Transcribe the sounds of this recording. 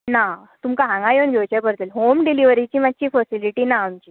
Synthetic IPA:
na | t̪umkaɦãŋɡajonɡʱewt͡ɕajkəɾt̪elɦomɖiliʋəɾit͡ɕiːmad̚t͡ɕiːfəsiliʈiːnaːmt͡ɕiː

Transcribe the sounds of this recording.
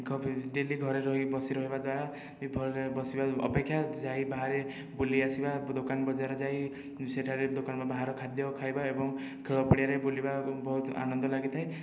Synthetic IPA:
ɡʱɖeliɡʱɔɾeɾɔɦibɔsiɾɔɦibad̪waɾa | bʱɔebɔsibaɔ̰pekʰːjad͡ʒaɦibaɦaɾe | boliasibad̪okanbɔd͡ʒaɾɔd͡ʒai | seʈʰaɾed̪okanmabaɦaɾɔkʰad̪jɔkʰajbaebɔŋ | kʰeɭɔpɔɽijaɾebolibabɔɦut̪a̰nɔnd̪ɔlaɡit̪ʰaj

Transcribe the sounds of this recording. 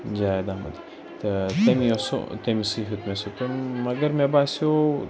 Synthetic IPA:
d͡ʒad̪amɐ̰d̪i | t̪ɐt̪ɐmioso̰t̪ɐmisɨɦut̪mesot̪unmɐɡɐɾmebasjo

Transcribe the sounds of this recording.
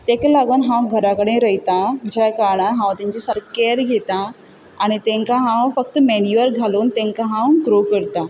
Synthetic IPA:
t̪ẽkelaɡunɦãwɡʱəɾakəɽẽɾəɦit̪ad͡ʑakaɾɳ̃aɦãʋ̃t̪ĩɲd͡ʑisəɾkeɾɡʱet̪aː | ɽ̃it̪ẽŋkaɦãʋ̃fəkt̪menjuʋəɾɡʱaluːnt̪ẽŋkaɦãwɡɾokəɾt̪a

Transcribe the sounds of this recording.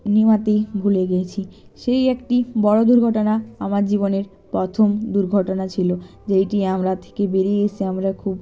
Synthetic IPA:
nimat̪ebʱuleɡet͡ɕʰiʃejekʈibɔɽod̪uɾɡʱɔʈonaamaɾd͡ʑiboneɾ | pɾɔt̪ʰomd̪uɾɡʱɔʈonat͡ɕʰilo | d͡ʑejʈiamɾat̪ʰe̥kebeɾiet͡ɕʰiamɾakʰub

